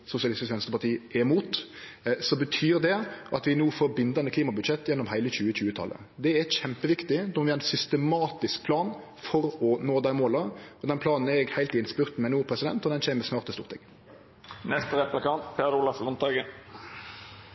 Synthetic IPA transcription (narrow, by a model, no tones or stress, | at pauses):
sʊsɪɑlɪst̪ɪsʋɛnst̪əpɑʈ̪ʰiːʔɛmuːt̪sɔbət̪ʰyːɾd̪ɛʔɑt̪ʋɪnuːfoːɾbɪnd̪ɑnəkʰliːmɑbʉd̪ʃɛt̪ːjɛnːɔmhæɪləçʉːəɕʉːət̪ʰɑ̰lʔə̰ | d̪ɛɛçɛmpəʋɪkt̪ɪnɔʋɪɑɾɪnsʏst̪əmɑːt̪ɪsk̚pʰlɑːn | fɔɾɔnoːd̪æɪmoːlɑɔd̪ɛnpʰlɑːnn̩ɛɾɛɡhæɪlt̪ɪnspʉɾt̪mɛnuːpʰɾɛsɪd̪ɛ̰nt̪ɔd̪ɛnɕɛːmməsmɑːɾt̪əst̪uːɾt̪ʰɪ̰ŋ | nɛst̪əɾɛplɪkɑnt̪pʰeːɾʊlɑflʊnt̪ɑːɡə